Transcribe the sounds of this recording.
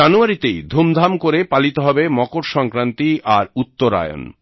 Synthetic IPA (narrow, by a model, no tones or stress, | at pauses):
anuaɾit̪ejd̪ʱumd̪ʱamkoɾepalit̪oɦɔbemɔkoɾʃɔŋkɾant̪iaɾut̪ːoɾa̰jo̰n